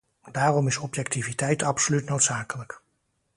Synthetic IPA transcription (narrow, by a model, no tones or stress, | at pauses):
daːrɔmɪsɔpjɛktivitɛjtɑpsolytnowtsaːkələk